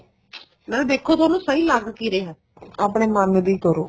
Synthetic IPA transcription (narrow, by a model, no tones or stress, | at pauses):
mɛ̃ːnd̪eːkʰːoːt̪ʊaːnũːsəiːlaɡkiːɾeːɦɛ̃ː | aːpɽ̃eːmənd̪iːkəɾoː